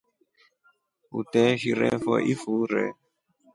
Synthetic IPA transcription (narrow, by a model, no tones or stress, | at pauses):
ṵtɛʃiɾɛ̰fɔʔifuɾɛ̰